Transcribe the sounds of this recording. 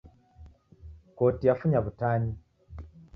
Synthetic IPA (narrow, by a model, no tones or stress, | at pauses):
ko̞ːtijafuɲaβutaːɲi